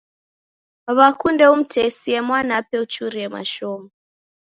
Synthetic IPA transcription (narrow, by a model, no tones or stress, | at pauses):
βakʰundeum̩tʰesiemwanapeut͡ʃuɾiema̰ʃoːma